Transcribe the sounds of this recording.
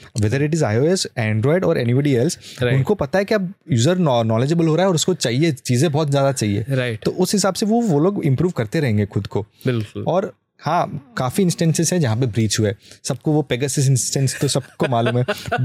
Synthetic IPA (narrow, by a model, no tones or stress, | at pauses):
ʋɛːd̪əɾɪʈ̬ɪzaːɪjoːɛsɛ̃ːɳɖɾɔːɪɖɔːɾʔɛːnibɔɖiɛːlsʊnkopɐt̪aɦɛkiɐbjuːzəɾnnɔːled͡ʒəbəlɦoːɾaːɦɛɔːɾʊskot͡ʃaːɦiet͡ʃiːzẽbɔːt̪zjaːd̪at͡ʃaːɦiḛːt̪oːʔʊsɦɪsaːbseʋoʋoloːɡɪ̃mpɾuːʋkɐɾt̪eɾɐɦẽːŋɡexʊd̪kobɪlkʊlɔːɾ | hãːkaːfiɪ̃nsʈɛ̃nsɪzɦɛ̃d͡ʒɐɦãp̬ebɾiːt͡ʃɦʊeːsɐb̚koʋopeːɡasɪs̬ɪ̃nsʈɛ̃nst̪osɐb̚komaːluːmɦɛː